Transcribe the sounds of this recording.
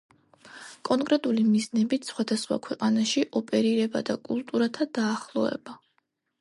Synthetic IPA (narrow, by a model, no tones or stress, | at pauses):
kʼɔŋkʼɾɛt̪ʼulimiznɛbit̪ʰsχwad̪asχwa̰kʰwɛqʼanaʃiʔɔpʼɛɾiɾɛba̰d̪akʼulˠt̪ʼuɾat̪ʰad̪aːχlˠɔɛ̰ba